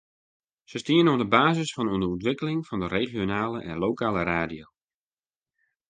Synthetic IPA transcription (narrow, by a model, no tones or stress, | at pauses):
səstiənɔdəbaːzəsfɔnuənəuntʋɪkəlɪŋfɔndəreːχjonaːləʔɛ̰nloːkaːləɾaːdijo